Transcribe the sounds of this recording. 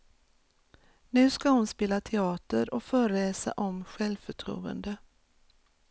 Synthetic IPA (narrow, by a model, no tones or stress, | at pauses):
nʉ̟ːskahʊnspeːlat̪ʰɛɑːt̪əɾɔkfœːɾəleːsa̰ʔɔmɧɛlvfœʈʰɾṵːə̰nd̪ə